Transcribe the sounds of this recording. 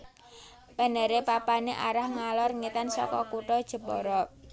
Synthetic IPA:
pa̤nəɾepapaneʔaɾahŋalɔrŋit̪ansɔ̰kɔ̰kuʈɔd̥ʒ̥ə̤pɔ̰ɾɔ

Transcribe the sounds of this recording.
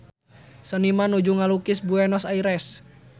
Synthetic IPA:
sənimanud͡ʒuŋalukisbuɛnɔsaiɾɛs

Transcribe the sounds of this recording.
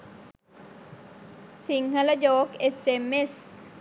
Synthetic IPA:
siŋhalad͡ʒokesemes

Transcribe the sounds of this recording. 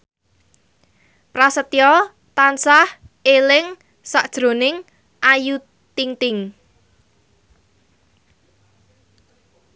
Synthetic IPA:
pɾasət̪jɔl | t̪ansahelɪŋ | saʔd̥ʒ̥ɾo̤nɪŋ | ʔaju | t̪iŋt̪ɪŋ

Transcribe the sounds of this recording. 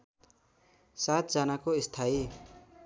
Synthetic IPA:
sat̪̚d͡zʌnakoist̪ʰai

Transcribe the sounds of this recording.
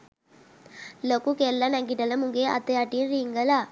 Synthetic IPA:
lokukelːɐnɐŋɡiʈɐləmuŋɡea̰t̪eaʈinɾiŋɡəla

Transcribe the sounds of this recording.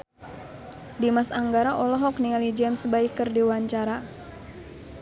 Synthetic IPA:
dimasaŋɡaɾaʔɔlɔɦɔkniŋalid͡ʒɛmsbaikərdiwaɲt͡ʃaɾa

